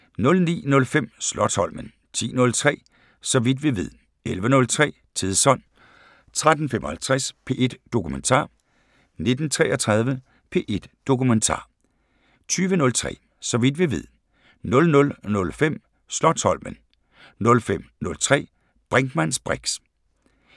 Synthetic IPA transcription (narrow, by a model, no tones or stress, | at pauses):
nɔ̽lnḭːnɔ̽lfem̰slɒd̥ʰhɒ̽l̰mən | t͡sʰḭːnɔ̽lt͡sʰʁɛ̰ː | sɒ̽ʋid̥ʋiʋeð̰ˠ | elʋənɔ̽lt͡sʰʁɛ̰ː | t͡sʰiðˠsɒ̽n̰ | t͡sʰʁad̥n̩femʔɒhælt͡sʰʁaspʰe̝ʔe̝d̥ːo̝kʰument͡sʰɑ̰̈ː | ne̝d̥n̩t͡sʰʁɛʔɐt͡sʰʁɑð̞ˠʋə | pʰe̝ʔe̝d̥ːo̝kument͡sʰɑ̰̈ː | t͡sʰyːʋənɔ̽lt͡sʰʁɛ̰ː | sɒ̽ʋid̥ʋiʋeð̞̰ˠ | nɔ̽lnɔ̽lnɔ̽lfem̰ | slɒdʰhɒ̽l̰mən | nɔ̽lfem̰nɔ̽lt͡sʰʁɛ̰ː | b̥ʁaŋɡ̥mæn̰sb̥ʁaɡ̥s